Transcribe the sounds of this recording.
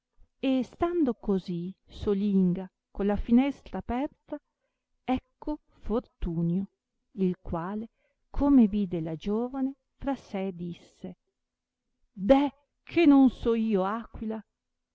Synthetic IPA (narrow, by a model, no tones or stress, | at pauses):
est̪and̪okozisoliŋɡa | kolafinɛst̪ɾaːpɛrt̪a | ɛkːo | fort̪uːnjo | ilkwaːle | kʰomeviːd̪elad͡ʒoːvane | fɾasɛd̪isːe | d̪ɛ | kʰenonsɔiːoakwila